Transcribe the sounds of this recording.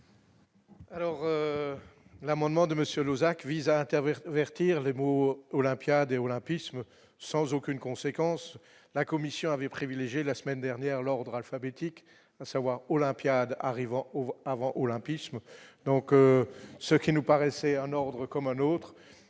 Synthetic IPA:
alɔʁø | lamɑ̃d̪mɑ̃d̪əməsjølozakvizaɛ̃t̪ɛvɛʁt̪iʁlemoːlɛ̃pjad̪eolɛ̃pismː | ɑ̃zokʲynkɔ̃sekɑ̃s | lakɔmisjɔ̃avɛpχivileʒjelasəmɛnd̪ɛʁnjɛʁlɔʁd̪ʁalfabet̪ik | asavwaʁɔlɛ̃pjad̪a̰ʁivɑ̃oavɑ̃ʔolɛ̃pismd̪ɔ̃køsəkʲinupaʁɛsɛɛ̃nɔʁd̪ʁəkɔmɛ̃not̪χ

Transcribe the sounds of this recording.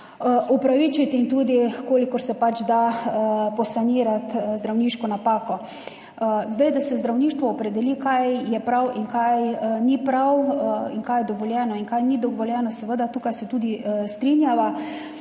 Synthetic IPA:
ʔupɾaʋit͡ʃat̪int̪uːd̪ikoːlikɔɾsɛpat͡ʃd̪a | pɔsaniːɾat̪zd̪ɾawniːʃkɔnapaːkɔ | zd̪ajd̪asɛzd̪ɾawniːʃt̪ʋɔːpɾɛd̪ɛlikajjɛpɾawʔiŋkajnipɾawiŋkajɛd̪ɔʋɔljɛːnɔiŋkajnid̪ɔʋɔljɛːnɔsɛʋəd̪at̪uːkajsɛt̪uːd̪ist̪ɾinjaʋa

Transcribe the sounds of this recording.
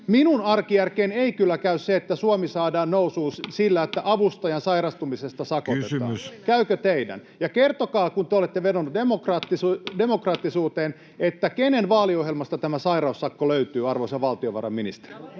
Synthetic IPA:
minunɑrkijærkeːneikylːækæysseet̪ːæsuomisɑːdɑːnnousuːssilːæet̪ːæʔɑʋust̪ɑjɑnsɑirɑst̪umisest̪ɑsɑkot̪eɑ̰skæykøt̪eidæ̰n | jɑkert̪okɑːkunt̪eolet̪ːeʋenonːut̪emokrɑt̪ːisdemokrɑt̪ːisuːt̪eːn | et̪ːækenenʋɑːliohɦjelmɑst̪ɑt̪æmæsɑiɾɑusːɑkːoløyt̪yːɑrʋoisɑʋɑlt̪ioʋɑ̰rɑ̰minist̪e̥ri

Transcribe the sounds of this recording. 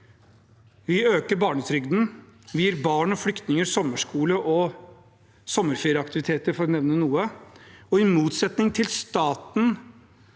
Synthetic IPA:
ʋɪøːkəɾbɑːɳəsʰɾʏɡd̪n̩ʋɪjiːɾbɑːɳɔfɽʏkt̪nɪŋəɾsɔmːəʂkuːləʔɔ | sɔmːəɾfeːɾəɑkt̪ɪʋɪt̪ʰeːt̪əɾfɔɾɔnɛʋnənuːəɔɪmuːt̪sɛt̪nɪŋt̪ʰɪlst̪ɑːt̪n̩

